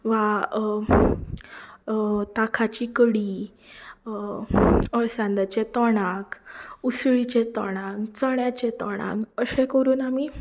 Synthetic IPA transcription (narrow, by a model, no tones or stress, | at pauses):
ʋa | t̪akʰat͡ɕikəɽi | əɭsãnd̪at͡ɕɛt̪ɔɽ̃akusɭit͡ɕɛt̪ɔɽ̃ãkt͡səɳjat͡ɕɛt̪ɔ̰ɽ̃ã̰kəsɛ̃kəɾuːnami